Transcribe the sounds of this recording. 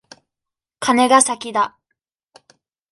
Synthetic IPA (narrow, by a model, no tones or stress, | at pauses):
kʰane̞ɡasakʲid̪a